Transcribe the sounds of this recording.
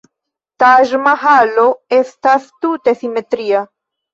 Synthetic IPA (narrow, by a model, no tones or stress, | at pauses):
t̪aʒmaɦaloest̪ast̪ut̪esimet̪ɾia